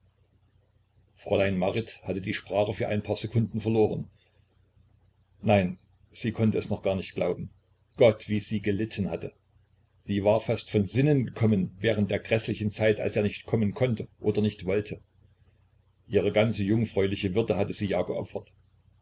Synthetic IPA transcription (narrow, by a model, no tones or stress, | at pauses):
fʁ̥olaɪnmaʁɪthatədiːʃpʁ̥aːχəfyːɐʔa̰ɪnpʰaːɐzɛkʰʊndn̩fɛɐloːʁ̞ən | naɪn | z̥iːkʰɔntəɛsnɔχɡ̥aːɐnɪçtɡ̥laʊbm̩ | ɡ̥ɔtv̥iːz̥iːɡəlɪtʰən̩hatʰə | z̥iːvaːɐfastfɔnzɪnənɡəkʰɔmənvɛːʁ̞əntd̥eːɐɡʁɛslɪçn̩t͡saɪtʔa̰lseːɐnɪçtkʰɔmənkʰɔntəʔoːdɐnɪçtv̥ɔltʰə | ʔiːʁ̞əɡant͡səjʊŋfʁ̥ɔʏlɪçəvʏɐdəɦatəziːjaːɡəʔɔ̰pfɐt